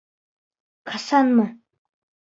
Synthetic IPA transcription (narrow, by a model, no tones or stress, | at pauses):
kʰasanmə